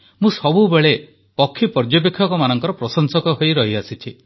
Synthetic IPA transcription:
mũsɔbubeɭe | pɔkʰːipɔɾd͡ʒɔp̬ekʰːjɔkɔmanɔŋkɔɾɔpɾɔsɔnsɔkɔɦojɾɔɦiasit͡ʃʰi

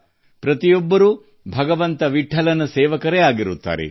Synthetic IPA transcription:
pɾɐt̪ijɔbːɐɾu | bʱɐɡɐʋɐnt̪ɐʋiʈʰːɐlɐnɐseːʋɐkɐɾeaːɡiɾut̪ːa̰ːɾḛ

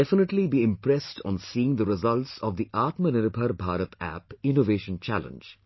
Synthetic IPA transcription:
ɛfɪnəʈlibiːɪ̃mpɾɛsʈʰɔ̰̃nsiːɪ̃ŋd̪əɾɪzʌlʈsɔʋd̪iʔaːʈmənɪɾbʱəɾbʱaːɾət̪æ̰pɪ̃noʋeːʃə̃nt͡ʃæ̰lə̰̃nd͡ʒ

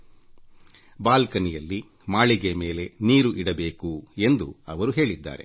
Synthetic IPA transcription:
baːlkɐnijɐlːi | maːɭiɡe̞me̞ːle̞niːɾuʔiɽɐbe̞ːkue̞nd̪uɐʋɐɾuɦe̞ːɭid̪ːa̰ːɾe̞̰

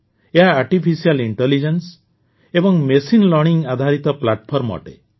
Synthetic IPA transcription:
eɦaːɾʈipʰisialiɳʈelid͡ʒens | ebɔŋmesinlɔɾɽ̃iŋɡad̪ʱaɾit̪ɔplaʈpʰɔɾmɔ̰ʈḛ

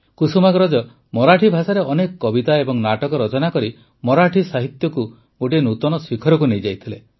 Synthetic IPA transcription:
kusumaɡɾɔd͡ʒɔ | mɔɾaʈʰibʱasaɾeʔɔnekɔkɔbit̪aebɔŋnaʈɔkɔɾɔt͡ʃɔnakɔɾi | mɔɾaʈʰisaɦit̪jɔku | ɡoʈinut̪ɔnɔsikʰɔɾɔk̬unejd͡ʒajt̪ʰile

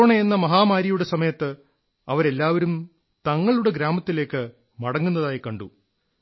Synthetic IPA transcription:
ɳɐjenːɐmɐɦaːmaːɾijuɽe̞sɐmɐjɐt̪ːɨ | ɐʋɐɾe̞lːaːʋɐɾum | t̪ɐŋːɐɭuɽe̞ɡɾaːmɐt̪ːile̞ːkːɨ | mɐɽɐŋːunːɐðaːjikɐɳɖu

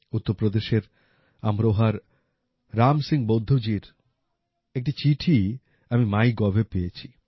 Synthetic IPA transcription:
ut̪ːoɾpɾod̪eʃeɾ | a̰mɾoɦaɾ | ɾamsiŋbod̪ʱod͡ʑiɾ | ek̚ʈit͡ɕiʈʰi | amimajɡɔbʱepejet͡ɕʰi

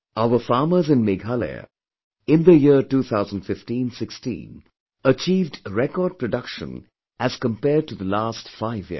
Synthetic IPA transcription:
aʊəfɑːməzɪ̃nmɪɡalḛ | ɪ̃nðəjituːθʰaʊzə̃nd̥fɪftĩnsɪkstḭ̃n | ət͡ʃiːvdɹɛkɔːd̚pɹəɖʌkʃə̰̃n | ʔæz̥kə̃mpɛːd̚ʈuðəlaːstfaɪvjḭ

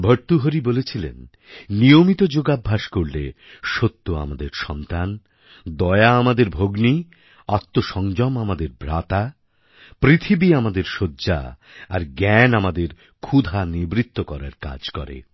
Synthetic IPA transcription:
bʱəɾt̪uɦoɾibolet͡ɕʰilḛnː | ijomit̪od͡ʑoɡabʱːaʃkoɾle | ʃot̪ːoa̰mad̪eɾʃɔnt̪an | d̪ɔeaamad̪eɾbʱoɡni | at̪ːoʃɔŋd͡ʑɔmamad̪eɾbʱɾat̪a | pɾit̪ʰibiamad̪eɾʃodːʑa̰ | a̰ɾɡɛnamad̪eɾ | kʰud̪ʱanibɾit̪ːokɔɾa̰ɾka̰d͡ʑkɔ̰ɾḛ

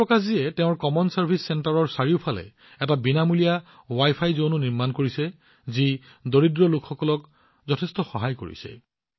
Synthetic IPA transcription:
ɹɔkaz̬iɛtɛʊ̃ɹkɔmɔnsaɹbʱisːɛntaɹɔɹsaɹiʊpʰalɛ̰ | ɛtabinamulija | wajpʰajzonuniɹmankoɹisɛ | zi | doɹidɹɔlʊkxɔkɔlɔk | zɔtʰɛstɔxɔɦajko̰ɹḭsɛ̰

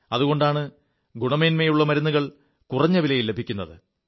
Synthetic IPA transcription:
ɐðuɣo̞ɳɖaːɳɨ | ɡuɳɐmeːnmejuɭːɐmɐɾunːuɣɐɭ | kurɐɲːɐʋilɐjilːe̞bʱikʲːunːɐðɨ̰

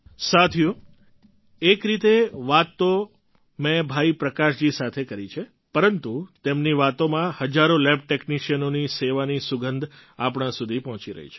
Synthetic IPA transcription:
sat̪ʰiju | ekɾit̪eʋat̪ːo | mebʱaipɾəkaʃd͡ʒisat̪ʰekəɾit͡ʃʰe | pəɾənt̪ut̪emniʋat̪omãhəd͡ʒaɾolɛb̚ʈekniʃijənoniseʋanisuɡənd̪ʱapɽãsud̪ʱipɔɦɔ̃t͡ʃiɾə̰ɦḭt͡ʃʰe̥

